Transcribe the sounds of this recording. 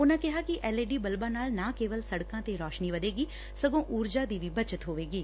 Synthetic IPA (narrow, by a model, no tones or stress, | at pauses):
ʊnãːkɪɦaːkɪʔɛːleːɖiːbəlbaːnaːlnãːkeːʋəlsəɽkãːt̪eːɾɔːʃniːʋəd̪eːɡiː | səɡõːʔuːɾd͡ʒaːd̪iːʋiːbət͡ʃət̪ɦoːʋeːɡiː